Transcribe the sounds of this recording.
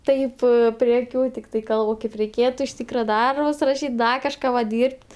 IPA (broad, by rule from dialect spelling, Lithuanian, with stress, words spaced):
ˈtɐɪp pʲrʲiɛ ɐˈkʲuː tʲɪkˈtɐɪ ˈkɐlˠp oː ˈkɐɪp rʲɛɪˈkʲeːtʊ ɪʃ ˈtʲiːkrɐ ˈdɐrbʊs rɐˈʃʲiːtʲ ˈdɐ kɐʃˈkɑː ʋɐ ˈdʲiːrʲpʲtʲ